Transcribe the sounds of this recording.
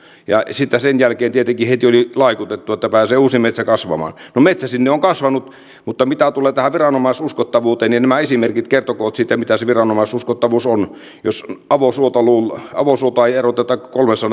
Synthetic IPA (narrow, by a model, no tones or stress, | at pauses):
jɑ̰sit̪ːæsenjælkeːnt̪iet̪eŋkihet̪iolilɑˑikut̪et̪ːuet̪ːæpæːseːuːsimet̪sækɑsʋɑ̰mɑ̰ːnnomet̪sæsinːeoŋkɑsʋɑnut̪ | mut̪ːɑmit̪æt̪uleːt̪æhæʋirɑnomɑˑisuskot̪ːɑʋuːt̪eːninæmæesimerkit̪kert̪okoːt̪siːt̪ːæmit̪æseʋirɑnomɑˑsuskot̪ːɑʋuːson | josɑʋosuot̪ɑluːlɑ̰ʋosuot̪oɑierot̪ːˑet̪ːɑkːɑ̥kolmesɑn